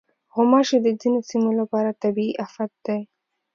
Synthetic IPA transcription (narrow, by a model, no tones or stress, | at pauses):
ɣʊmɑʃed̪əd͡zinosimolapɑɾat̪abiiʔafat̪̚d̪aj